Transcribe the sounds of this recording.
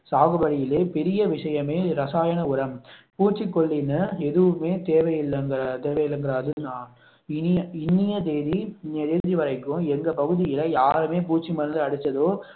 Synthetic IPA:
saːɣɐbɐɽɪjɪleːpɛɾɪjɐʋɪʂɐjɐmeːɾɐsaːjɐnɐʊɾɐmpuːt͡ʃːikːɔɭːɪnːɯɛðɯʋɯmeːt̪eːʋɐjɪlːɐŋɡt̪eːʋɐjɪlːɐŋɡɪɾaːðɯnaː | ɪnɪjɐɪnːɪjɐd̪eːðiɪnːɐd̪eːðiʋɐɾɐɪkːʊ̃ɛŋɡɐpɐɣɯðɪjɪlɐjaːɾɯmeːpuːt͡ʃːimɐɾɯnd̪ɯɐɽɯt͡ʃːɐðoː

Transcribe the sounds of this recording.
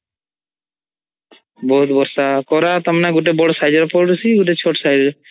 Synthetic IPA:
bɔɦut̪bɔɾsakɔɾat̪ɔmnaɡuʈ̬ebɔɽɔsajd͡ʒɔɾpɔɾɾusiɡuʈet͡ʃʰoʈɔsajd͡ʒɾ

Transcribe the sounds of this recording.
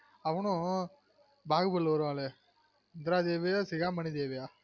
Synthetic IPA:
ɐʋɐnʊ̃ | baːɣɯbɐlːɐʋɐɾɯʋãːle | ɪnd̪ɪɾaːd̪eːʋiasɪɣaːmɐnid̪eːʋɪjaː

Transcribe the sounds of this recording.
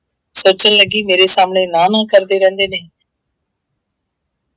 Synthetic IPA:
soːt͡ʃənləɡiːmeːɾesaːmnenaːnãːkəɾd̪eɾɛ̃ːnd̪eːneː

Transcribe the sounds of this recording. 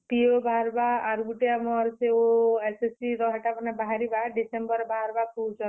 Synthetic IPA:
piobʱaɾbaaɾɡuʈiamɔɾseoesesiɾɔɦɛʈapɔnabaɦaɾibaɖisembɔɾbʱaɾbapud͡ʒɔ

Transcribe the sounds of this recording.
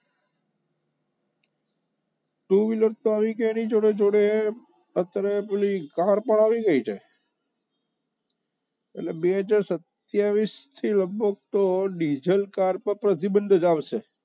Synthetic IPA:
ʈuʋiləɾt̪oaʋikeːnid͡ʒoɽed͡ʒoɽe | ət̪ɾeplikaɾpəɳaʋiɡəit͡ʃʰe | ḛtlebeɦəd͡ʒaɾsət̪ | jaʋist̪ʰiləbʱək̚t̪oɖid͡ʒəlkaɾpəɾpɾət̪ibənd̪ʱd͡ʒaʋʃe

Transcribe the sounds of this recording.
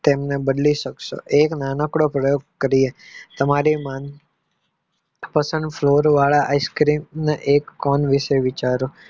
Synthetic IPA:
t̪emnebəd̪liʃəkʃo̰ʔeknanəkɽopɾəjoɡ̚kəɾiet̪əmaɾiman | pəsə̃nd̪floɾʋaɭaʔaiskɾimneʔekːɔnʋiʃeʋit͡ʃaɾo

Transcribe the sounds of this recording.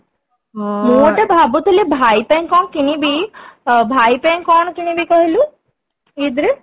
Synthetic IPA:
ɔmoʈabʱabut̪elebʱaipɛ̃ŋkɔnkinibʱi | bʱajpɛŋkɔnkinibʱikɔɦilu | id̪ɾe

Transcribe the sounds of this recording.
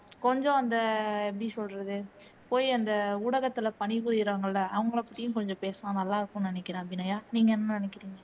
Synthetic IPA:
kɔɲd͡ʒɔ̃ɐnd̪ɐɛpːɐɽisɔlːɾɐðɯpoːjɐnd̪ɐʊɽɐɣɐt̪ːɪlɐpɐɳɪʋɯɾɪɪɾaːŋɡɐɭlːɐʔɐʋɐŋɡɐɭɐpːɐʈ̪ːɪjʊ̃kɔɲd͡ʒɔ̃peːsɐmãːnɐlːaːɪɾɯkːʊ̃nɪnɛkːɪɾãːɐpːɽɪnɐjaːniːŋɡɐɛnːɐnɪnɛkːɪɾiːŋɡɐ

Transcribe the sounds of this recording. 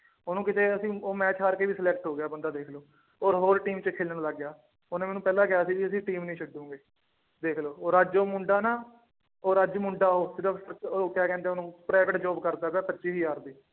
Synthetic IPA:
oːnũːkɪt̪eːəsĩːoːmɛːt͡ʃɦaːɾkeːʋiːsəlɛːk̚ʈɦoːɡɪjaːbənd̪aːd̪eːkʰloː | oːɾɦoːɾʈiːmt͡ʃəkʰeːlnəɽləɡjaː | oneːmɛːnũːpɛːlaːkɪaːsiːd͡ʒiəs̬ĩːʈiːmnĩːt͡ʃʰəɖũːŋɡeː | d̪eːkʰloːoːɾəd͡ʒoːmʊɳɖaːnaː | oːɾəd͡ʒmʊɳɖaːɦoːd͡ʒɪd̪ãːsəɾokaːkɛ̃ːnd̪eːʊnũːpɾaːʋɪʈd͡ʒɔːbkəɾd̪aːbɛːpətːʃiːsiːjaːɾd̪iː

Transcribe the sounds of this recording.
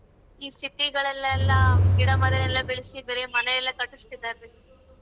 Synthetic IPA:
iːst̪it̪iɡɐɭɛlːlːɐɡiɽɐmɐɾɐnɛlːɐbiɭisibeːɾemɐnɐjɛlːɐkɐʈːust̪id̪ːaɾd̪e

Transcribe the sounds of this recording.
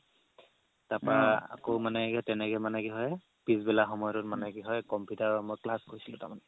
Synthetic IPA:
tapɹaa̰komanɛɡɛtɛnɛɡɛmanɛɡiɦɔj | pizbɛlaxɔmɔjɔtʊt̚manɛɡiɦɔjkɔmputaɹmojklaskoisilʊ̃tamanɛ

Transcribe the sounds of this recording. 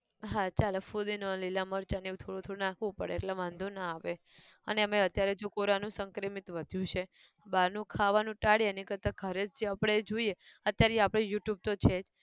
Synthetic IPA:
ɦat͡ʃalefud̪inolilaməɾt͡ʃaneũt̪ʰoɽõt̪ʰoɽonãkʰʋũpəɽḛːʈlaʋãnd̪ʱonaaʋe | əneəmeət̪jaɾed͡ʒokoɾanũsəŋkɾimit̪ʋəd̪ʱjũt͡ʃʰe | baɾnũkʰaʋanũʈaɽienikəɾt̪aɡʱəɾet͡ʃd͡ʒeapəɽ̃ed͡ʒoieət̪jaɾeapɽ̃ejuʈjub̚t̪ot͡ʃʰed͡ʒ

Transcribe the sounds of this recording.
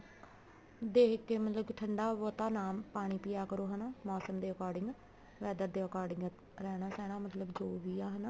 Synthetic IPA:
d̪eːkːeːmət̪ləbʈʰəɳɖaːʋoːt̪aːnaːmpaːɽ̃iːpijaːkəɾoːɦənaːmɔːsəmd̪eːəkaːɾɖɪŋɡ | ʋɛːd̪əɾd̪eːəkaːɾɖɪŋɡ | ɾɛːɽãːsɛːɽ̃aːmət̪ləbd͡ʒoːʋiːaːɦənaː

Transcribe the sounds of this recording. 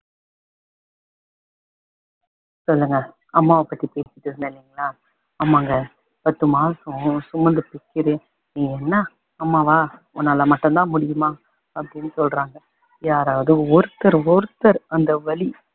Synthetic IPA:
sɔlːɯŋɡɐ | ɐmːaːʋɐpːɐʈ̪ːipeːsɪ̥ʈːɯɾɯnd̪ɐlːiːŋɡɐlaː | ɐmːaːŋɡɐ | pɐt̪ːɯmaːsɐ̃sʊmːɐnd̪ɯpɪkːɪɾɯ | iːɛnːaː | mːaːʋaː | ʊnːaːlɐmɐʈːɐnt̪ãːmʊɽɪjɯmãː | ɐpːɐɽɪnːɯsɔlɾaːŋɡɐ | jaːɾaːʋɐðɯɔɾɯt̪ːɐɾɔɾɯt̪ːɐɾɐnd̪ɐʋɐɭi

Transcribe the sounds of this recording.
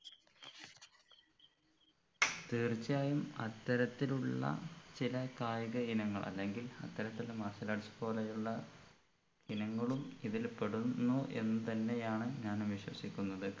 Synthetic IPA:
t̪iːrt͡ɕːjaːjumɐt̪ːɐɾɐt̪ːiluɭːɐ̰t͡ɕilɐkaːjɐɣɐinɐŋːɐ̰ɭʔɐ̰lːe̞ŋɡilɐ̰t̪ːɐɾɐt̪ːilmɐɕɐlaːɽt͡ɕːɐ̥po̞ːlejuɭːɐ | inɐŋːɐɭumiðilpe̞ɽunːuʔe̞nːɨt̪ɐnːe̞jaːɳɨɲaːnʋiɕwɐsikʲːunːɐðɨ

